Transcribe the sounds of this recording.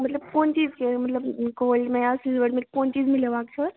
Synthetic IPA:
mɐt̪ləb̚koːnt͡ʃiːzkemɐt̪ləbkoːlʈmẽjasizʋəɽmetkoːnt͡ʃiːzmɪleʋaːksʰəɾ

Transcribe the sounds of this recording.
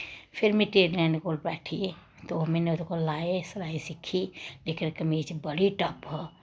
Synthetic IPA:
pʰɪɾmẽʈeːɾlɛɳkoːlbɛʈʰi | t̪oɦɐmenet̪okolaːesɐlaːisikʰilekinkəmit͡ʃbəɽiʈəpɦɔ

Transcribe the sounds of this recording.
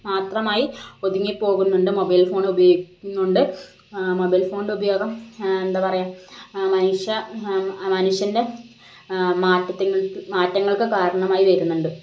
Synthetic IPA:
maːt̪rɐmaːjio̞d̪iŋːipːo̞ːɣunːuɳɖɨmobɐjlfo̞ːɳubɐjoːikːunːuɳɖɨ | mo̞bɐjlfo̞ːɳɖubɐjo̞ːɡɐme̞nd̪aːpɐrɐjaːmɐnuʂjɐ | mɐnuʂjɐnde̞ | maːtːɐt̪ːiɭmaːtːɐŋːɐɭkɨkaːɾɐɳɐmaːjiʋeɾunːuɳɖɨ

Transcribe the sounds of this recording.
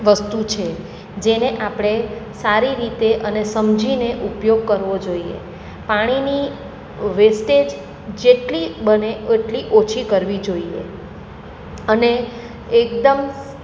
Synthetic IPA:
ʋəst̪ut͡ʃʰe | d͡ʒeneʔapɽ̃esaɾiɾit̪eʔənesəmd͡ʒʱineʔupjoɡ̚kəɾʋod͡ʒoiḛ | paɽ̃ini | ʋesʈed͡ʒ | d͡ʒeʈlibəneəʈliʔot͡ʃʰikəɾʋid͡ʒoiḛ | əne | ek̚d̪əm

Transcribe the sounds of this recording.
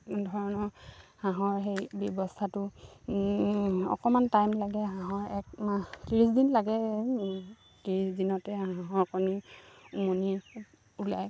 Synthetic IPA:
dʱɔɹɔnɔhãɦɔɹxejbjɔbɔstʰatʊ | ɔ̰kɔmantajmlaɡɛɦãɦɔɹɛk̚matiɹisdinlaɡɛ | tiɹisdinɔtɛɦãɦɔɹkɔniumoni | ula̰j

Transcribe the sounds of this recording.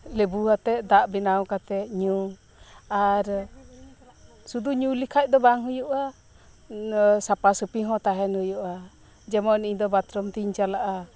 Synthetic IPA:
lɛbuɦat̪ɛʔd̪aʔbinawkat̪ɛʔɲu | aɾ | sud̪uɲulikʰac̚ˀd̪ɔbaŋɦujuʔa | sapasɯpiɦɔ̃t̪aɦɛnhujuʔa | d͡ʒɛmɔniɲd̪ɔbat̪ɾɔmt̪iɲt͡ʃalaʔa

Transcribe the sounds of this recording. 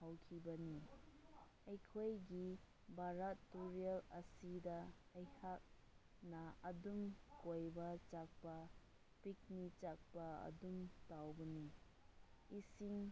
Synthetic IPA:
hawkʰibɐni | ɐjkʰojɡi | baɾatːuɾielɐsidɐɐjhak̚ | nɐɐdumkojbɐt͡ʃak̚pɐ | pik̚nit͡ʃak̚pɐɐ̰dumtawbɐni | isiŋ

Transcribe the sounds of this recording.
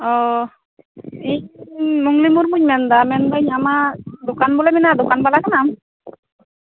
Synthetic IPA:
ɔ | iɲmuŋlimuɾmuɲmɛnd̪amɛnd̪aɲamad̪okanbɔlaminad̪ɔkanbalakʰanam

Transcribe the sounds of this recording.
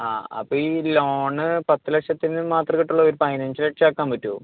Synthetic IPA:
a̰ːɐ̰pːoːiloːɳɨpɐt̪ːɨlɐkʂɐt̪ːinːɨmaːt̪rɐkiʈːuɭːɐoɾupɐjnɐnsɨleʈʂaːkːaːmpɐtːuṵm

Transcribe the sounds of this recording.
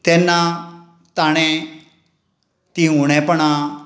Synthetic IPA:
t̪enːa | t̪aɽ̃ẽ | t̪iuɽ̃ẽpəɳ̃a

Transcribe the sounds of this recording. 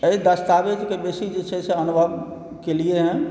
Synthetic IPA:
əid̪əst̪aʋed͡ʒkebeːsid͡ʒet͡ʃʰɛseənubʱəb | kelieɦɛ̃

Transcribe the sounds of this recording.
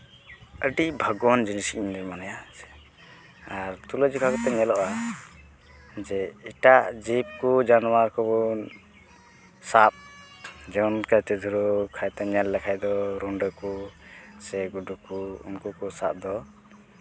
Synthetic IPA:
əɖicbʱəɡwɔnd͡ʒinisikminiɾmanajaɛ̥ | aɾt̪uləd͡ʒikʰakɔt̪ɛɲɛlɔʔa | d͡ʒɛiʈaʔd͡ʒip̚kud͡ʒanwaɾkɔbɔ | sap̚d͡ʒɛnkajt̪ɛd̪ʱuɾukʰajt̪ɛɲɛlːɛkʰajd̪ɔɾuɳɖəkusɛɡuɖukuṵnkukɔsa̰p̚d̪ɔ

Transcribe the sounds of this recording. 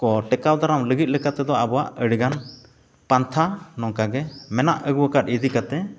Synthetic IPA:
kɔʈɛkawd̪ʱaɾamləɡit̪̚ləkat̪ɛd̪ɔabɔwaʔəɽɡan | pant̪ʰanɔŋkaɡɛmɛnaʔəɡwəkat̪̚id̪ikat̪ɛ

